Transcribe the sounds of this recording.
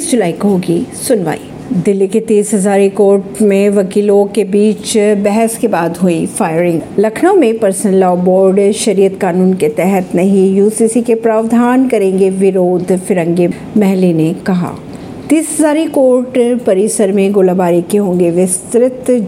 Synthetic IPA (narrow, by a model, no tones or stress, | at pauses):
isd͡ʒʊlaːikoɦoːɡisʊnʋa̰ːḭ | d̪ɪlːiket̪iːsɦɐzaːɾikoːɾʈmẽʋɐkiːlõkebiːt͡ʃbɛɦɛskebaːd̪ɦuifaːjɾɪ̃ŋɡlɐkʰnõmẽpɐɾsə̃nlaːbɔːɾɖʃɐɾiːət̪kaːnuːnket̪ɛɦət̪nɐɦĩjuːsiːsikepɾaːʋd̪ʱaːnkɐɾẽːŋɡeʋɪɾoːd̪ʱfɪɾə̃ŋɡe | mɛɦlinekɐɦa̰ː | t̪iːsɦɐzaːɾikoːɾʈpɐɾɪsəɾmẽɡoːlabaːɾikeɦõːŋɡeʋɪst̪ɾɪt̪